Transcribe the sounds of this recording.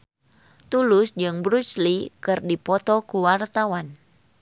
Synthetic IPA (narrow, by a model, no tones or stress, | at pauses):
t̪ulʊsd͡ʒɨŋbɾut͡ʃlikɨrdipɔt̪ɔkuwart̪awan